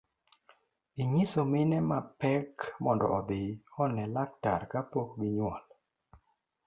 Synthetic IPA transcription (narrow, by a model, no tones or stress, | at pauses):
iŋisomɪnɛmapɛkmɔndɔ̰ʔɔd̪ɪɔnɛlak̚taɾkapokbiɲwɔl